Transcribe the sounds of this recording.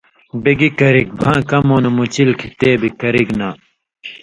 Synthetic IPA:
beɡikɐɾik̚bʱãːkɐmoːnɐmut͡ɕilkʰit̪eːbikɐɾiɡnaː

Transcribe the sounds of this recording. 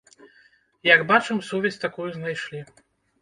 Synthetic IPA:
jɐɡbat͡ʂɨmsɔvʲɛsʲt̪akujuznajʂlʲi

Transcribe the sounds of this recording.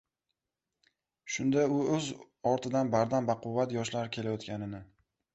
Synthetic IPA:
ʃʊnd̪aʊɵz | ɒɾt̪ʰɪd̪anbaɾd̪ambaqʊvːat̪jɒʃlaɾɪkʲʰe̞lajɒt̪kʲanɪnɪ

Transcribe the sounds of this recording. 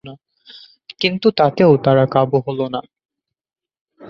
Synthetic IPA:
na | kint̪ut̪at̪eot̪aɾakabuɦolona

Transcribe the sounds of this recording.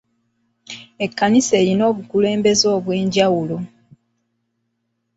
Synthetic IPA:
e̞kːanise̞ːɾino̞ːβukule̞ːmbe̞zo̞ːβwe̞ːɲɟawulo̞

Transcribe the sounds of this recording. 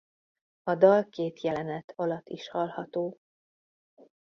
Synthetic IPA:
ɒd̪ɒlkeːt̪jɛlɛnɛt̪ʰɒlɒt̪ːiʃhɒlhɒt̪oː

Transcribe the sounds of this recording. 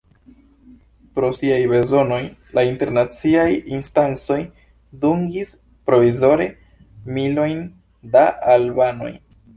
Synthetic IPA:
pɾo̞siajbe̞zo̞no̞jlainteɾnat͡siajinstant͡so̞j | duŋɡis | pɾo̞vizo̞ɾe̞ | milo̞jn | daʔːlbano̞̰j

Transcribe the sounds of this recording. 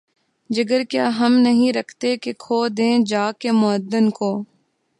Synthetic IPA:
d͡ʒəɡəɾkjaːɦəmnəɦĩɾɐkʰt̪ekekʰoːd̪ẽːd͡ʒaːkemʊəd̪ːənkoː

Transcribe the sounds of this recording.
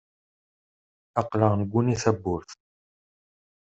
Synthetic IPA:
ɑqləʁnəɡʷːuniθæbːʊɾθ

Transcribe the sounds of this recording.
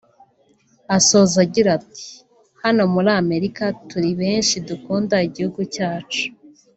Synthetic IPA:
aso̞zaɟiɾati̥ | hano̞muɾaːme̞ɾikatuɾiβeːnʃidukuːndaiɟihuɡucaːt͡ʃu̥

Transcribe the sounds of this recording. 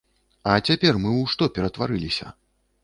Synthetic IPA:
ɐt͡sʲapʲɛrmɨwʂt̪ɔpʲɛɾɐt̪vaɾɨlʲisʲɐ̰

